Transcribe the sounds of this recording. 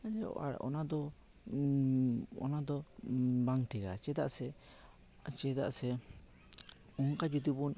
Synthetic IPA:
ad͡ʒaa̰ɔ̰nad̪ɔ | ɔ̰nad̪ɔbaŋʈɛɡa̰t͡ʃɛd̪a̰ʔsɛ | t͡ʃɛd̪a̰ʔsɛ | ɔŋkad͡ʒut̪ubɔn

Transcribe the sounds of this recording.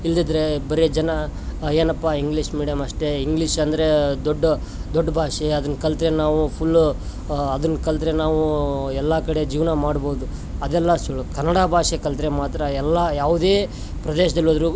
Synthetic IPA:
ild̪id̪ɾe̞bɐɾed͡ʒɐnɐeːnɐpːaːiŋɡliːʂmiːɽijɐmɐʂʈe̞iŋɡliːʂɐnd̪ɐɾe̞d̪ɔɖː | d̪ɔɖːbʱaːʂeɐd̪ɐnkɐlt̪ɾenaːʋupʰulː | ɐd̪ɐnkɐlt̪ɾe̞naːʋuɛlːakɐɽe̞d͡ʒiːʋnamaːɽbo̞ːd̪u | ɐd̪ɛlːɐsuɭkɐnːɐɽabʱaːʂekɐlt̪ɾemaːt̪ɾɐɛlːajaːʋud̪eː | pɾɐd̪eːʃɐd̪ɐlːod̪ɾu

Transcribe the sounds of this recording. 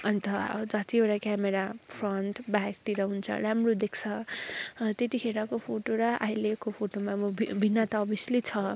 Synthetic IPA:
ʌnt̪ʌd͡zʌt̪ioɾakameɾapʰrʌnʈbakt̪iɾʌɦunt͡sʰʌ̰ɾamrod̪ekʰt͡sʰʌ | t̪et̪ikʰeɾakopʰoʈoɾʌʔa̰ɦilekopʰoʈomabbʱinːat̪abislit͡sʰʌ

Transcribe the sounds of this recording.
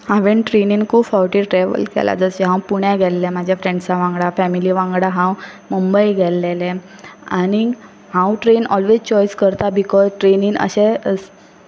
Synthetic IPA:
hãʋenʈɾeninkʰuːbfɔwʈiʈɾɛʋə̰lkɛ̰la̰d͡zəsɛɦãwpuɳjaɡʱɛlːɛ̃mad͡ʑʱjafɾẽɳɖt͡saʋãŋɡɽafɛmiliʋãŋɡɽaɦãwmumbəjɡʱɛlːelɛ̃a̰ñi | hãwʈɾenɔlʋed͡zt͡ɕɔjskəɾt̪abikɔzʈɾeniːnə̰ɕɛəs

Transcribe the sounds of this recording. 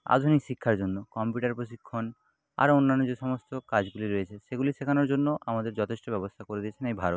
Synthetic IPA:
a̰d̪ʱunikʃikʰːaɾd͡ʑonːokɔmpjuʈaɾpɾoʃikʰːon | a̰ɾonːanːod͡ʑeʃɔmost̪okad͡ʑɡuliɾoet͡ɕʰeʃeɡuliʃekʰanoɾd͡ʑonːoʔamad̪eɾd͡ʑɔt̪ʰeʃʈobɛbost̪ʰakoɾed̪ijet͡ɕʰenejbʱaɾot̪

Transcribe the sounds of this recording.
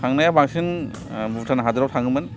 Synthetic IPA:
aŋnajabaŋsin | butʰanaɦadɯɾawtʰaŋɯmɯn

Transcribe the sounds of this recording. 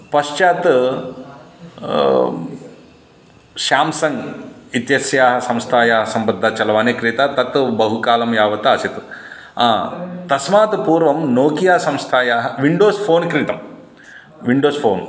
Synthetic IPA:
pɐʃt͡ʃaːt̪ | ʃaːmsɐŋɡit̪jɐsjaːɦɐ̆sɐ̃mst̪ʰaːjaːɦɐsɐmbɐd̪ʱːaːt͡ʃɐlʋaːnekɾit̪aːt̪ɐt̪bɐɦukaːlɐmjaːʋɐt̪aɐsit̪ | aːt̪ɐsmaːt̪puːɾʋɐmnoːkijaːsɐ̃mst̪ʰaːjaːɦɐʋiɳɖoːspʰoːnkɾit̪ɐm | ʋiɳɖoːspʰoːn

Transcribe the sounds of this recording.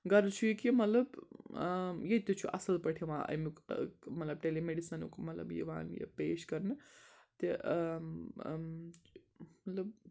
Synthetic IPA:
ɡɐɾt͡ʃʰujikimɐt̪lɐb | jet̪ot͡ʃʰuʔɐsɐlpɐʈʰiʋãːʔɐ̰jmikmɐt̪lɐb̚ʈelemeɖisɐnṵkmɐt̪lɐ̰bjḛʋã̰ːnjḛpeːʃkɐɾnɨt̪e | mɐt̪lɐb̚

